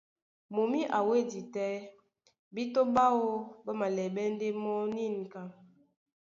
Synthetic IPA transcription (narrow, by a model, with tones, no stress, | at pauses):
mo˨mi˦ʔa˨we˦di˨tɛ˦ | bi˦to˦ba˦wo˦bə˦ma˨lɛ˨bɛ˦n˦de˦mɔ˦ni˦˨n˨ka˨